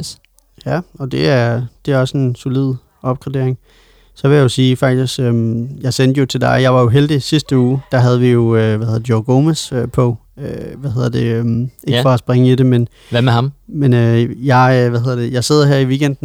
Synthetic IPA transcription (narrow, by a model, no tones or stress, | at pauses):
jæɒ̽d̥e̝æɐd̥e̝æɐɒ̽se̝nsolið̰ˠ | ɒ̽b̥̚ɡ̥ʁɛd̥e̝ɐeŋ | sɒʋe̝jɑ̈jo̝siːfɑ̈ɡ̥̚d̥isɡ̥øjɑ̈ɪsen̰d̥jo̝t͡sʰe̝ld̥ɑ̈ɪjɑ̈ɪʋɑ̈jo̝ɦeld̥isisd̥əuːd̥ɑɦæð̞ˠʋijo̝øʋæhe̝ð̰ˠdˠjɒɡ̥omesøpʰɒ̽øʋæhe̝ðˠɐd̥e̝øme̝ɡ̥fɒ̽æsb̥ʁeŋəidemen | mehɑmmenøjɑ̈ɪøʋæhe̝ðˠɐd̥e̝jɑ̈ɪse̝ð̞̰ˠɐɦeɐ̰iʋiɡ̥end̥n̩